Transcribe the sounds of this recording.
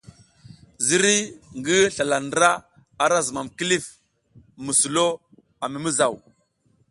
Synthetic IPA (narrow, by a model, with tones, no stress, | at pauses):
zi˦ɾi˦ŋɡi˦ɬa˨la˨n˦ɾa˦ | a˨ɾa˦zə˨ma˨mki˦li˦f | mə˨su˨lo˦ | a˨mi˨mi˦za˨w